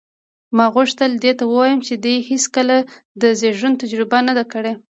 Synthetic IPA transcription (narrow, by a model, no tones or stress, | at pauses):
mɑɣʊʂt̪əld̪et̪awəwɑjəmt͡ʃed̪ujheskəlad̪əzeʒunt̪ad͡ʒɾɪbanad̪akəɽe